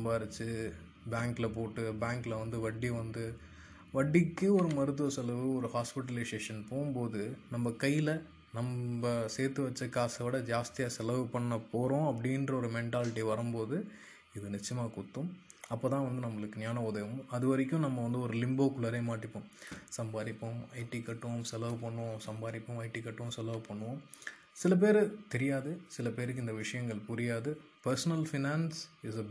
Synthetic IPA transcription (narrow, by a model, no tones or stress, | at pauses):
ɐmbaːɪɾɐt͡ʃːɯ | bjaːŋklɐpoːʈːɯbaːŋklɐʋɐnd̪ɯʋɐɖːiʋɐnd̪ɯ | ʋɐɖːɪkːɯɔɾɯmɐɾɯt̪̬ːɯʋɐsɛlɐʋɯɔɾɯhaːspɪʈ̬ːɐlɪseːʂɐnpoːɯmpoːðɯnɐmbɐkɐjɪlɐ | nɐmbɐseːɾt̪ɯʋɐt͡ʃːɐkːaːsɐʋɪɽɐd͡ʒaːst̪ɪjaːsɛlɐʋɯpɐɳːɐpoːɾõːɐpːɐɽɪndrɐɔɾɯmɛɳʈaːlɪʈːiʋɐɾɯmpoːðɯ | ɪðɯnɪt͡ʃːɪjɐmaːkʊt̪ːɯm | ɐpːoːt̪ãːʋɐnd̪ɯnɐmːɐɭɯkːɯnjaːnɐʊðɐʋɐmɐðɯʋɐɾɪk̬ʲːʊ̃nɐmːɐʋɐnd̪ɯɔɾɯlɪmboːkʊlɐɾɐɪmaːʈːɪpːõsɐmbaːɾɪpːɐmɐɪʈːikːɐʈːɯʋɐmsɛlɐʋɯpɐɳːɯʋõsɐmbaːɾɪpːɐ̃mɐɪʈːikːɐʈːɯʋɐ̃msɛlɐʋɯpɐɳːɯʋõ | sɪlɐp̬eːɾɯt̪ɛɾɪjaːðɯsɪlɐpeːɾɯkːɯɪnd̪ɐʋɪʂɐjɐŋɡɐɭpʊɾɪjaːðɯ | pɐɾsɐnɐlfɪnaːnsɪsɐ